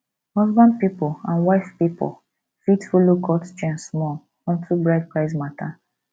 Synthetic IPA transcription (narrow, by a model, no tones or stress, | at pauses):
hɔzbãnd̚pipoãnwaɪfpipo̰l | fitfolokʰɔtt͡ʃɛ̃nsmɔ | ɔ̃ntʰubɹaɪd̚pɹaɪsmatʰa